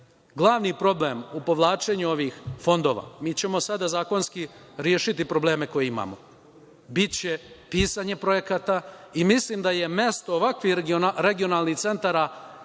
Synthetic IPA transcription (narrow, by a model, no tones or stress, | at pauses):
ɡlˠaʋnipɾo̞ble̞mupo̞ʋlˠaːt͡ʃe̞ɲuo̞ʋixfo̞nd̪o̞ːʋa̰ːmiːt͡ɕe̞mo̞sad̪azaːko̞nski | ɾjeːʃit̪ipɾo̞ble̞ːme̞ko̞jeima̰ːmo | bit̪t͡ɕe̞piːsaɲe̞pɾo̞je̞kat̪aimislimd̪aje̞me̞st̪oːʋakʋiɾe̞ɡio̞nalˠnixt̪se̞nt̪aɾa